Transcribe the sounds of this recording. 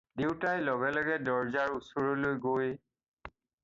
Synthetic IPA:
dewtajlɔɡɛlɔɡɛdɔɹzaɹusoɹɔlojɡoj

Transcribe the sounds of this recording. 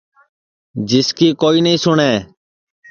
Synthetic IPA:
d͡ʒɪskiːkoːiːnəĩːsʊɳɛː

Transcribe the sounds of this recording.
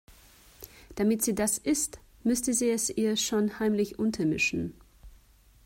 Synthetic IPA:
d̥amɪtz̥iːdasʔɪst | mʏstəziːɛsiːɐʃoːnhaɪmlɪçʔʊntʰɐmɪʃn̩

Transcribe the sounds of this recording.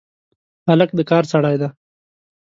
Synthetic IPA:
halək̚d̪əkɑːɾsaɽɑjd̪a

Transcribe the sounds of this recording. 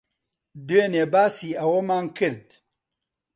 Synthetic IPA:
d̪ueneːbaːsiːɐwoːmaːnkɨɾd̪̚

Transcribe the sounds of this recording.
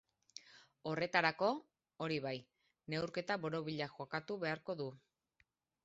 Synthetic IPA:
o̞re̞t̪aɾako̞ | oɾiβaj | ne̞wɾke̞t̪aβo̞ɾo̞βiʎaʝo̞kat̪uβe̞aɾko̞ðu

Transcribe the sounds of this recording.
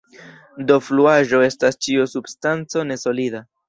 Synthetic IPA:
do̞fluaʒo̞e̞stast͡ʃiusubstant͡so̞ne̞so̞lida

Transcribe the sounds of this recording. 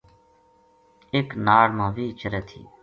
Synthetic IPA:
eknaːɽmãːʋiːt͡ʃəɾɛːt̪ʰḭː

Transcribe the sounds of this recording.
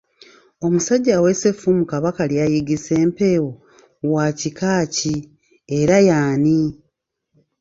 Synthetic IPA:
o̞musaɟːawe̞sefumukaβakaljajiɡise̞ːmpe̞wo | waːcikaːci | eɾajaːni

